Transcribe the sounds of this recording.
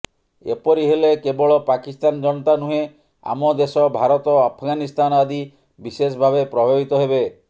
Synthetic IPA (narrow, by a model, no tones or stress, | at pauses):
ḛpɔɾiɦelekebɔɭɔpakist̪and͡ʒɔnɔt̪anuɦe | a̰mɔd̪esɔbʱaɾɔt̪ɔapʰɔɡanist̪anɔad̪i | bises̬ɔbʱabepɾɔbʱebit̪ɔɦebe